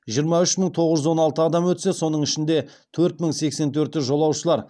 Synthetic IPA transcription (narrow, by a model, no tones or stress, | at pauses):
ʒijəɾmɑʏʃməɴt̪ʰo̞ʁəʒʏzwo̞nɑlˠt̪əɑd̪ɑmwɵt̪se̞so̞nəɴɪʃɪnd̪e̞ | t̪ʰɵɾt̪məɴse̞kse̞nt̪ʰɵɾt̪ɪʒo̞lˠɑwʃəlˠɑɾ